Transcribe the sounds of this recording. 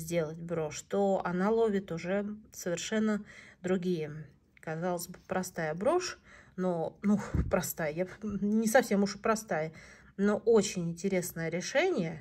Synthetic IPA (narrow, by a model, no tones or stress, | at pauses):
zʲdʲe̞lˠətʲbɾo̞ʂt̪oɐnalˠovʲɪt̪ʊʐɛsəvʲɪrʂɛnːəd̪ɾʊɡʲijə | kɐzalˠəzʲbɨpɾɐst̪ajəbɾo̞ʂnonupɾɐst̪ajəjanʲɪsɐfsʲe̞mʊʂpɾɐst̪ajə | no̞ʔot͡ɕɪnʲɪnʲtʲɪɾʲe̞snəjəɾʲɪʂɛnʲɪjə